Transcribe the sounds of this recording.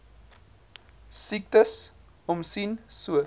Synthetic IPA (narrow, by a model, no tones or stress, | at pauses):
sik̚təs | ɔmsinsuə